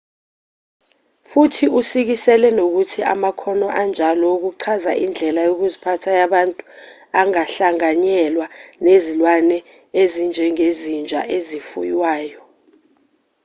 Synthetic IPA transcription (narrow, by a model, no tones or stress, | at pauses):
futʰiusik̬isɛlɛnok̬utʰiʔa̰makʰɔnɔʔand͡ʒʱalɔuk̬uǀʰazaʔind͡ɮʱɛlajok̬uzipʰatʰajaɓantʼuaŋaɬaŋaɲɛlwanezilwanɛ | ezind͡ʒʱɛŋezind͡ʒʱa̰ʔezifṵjwaːjɔ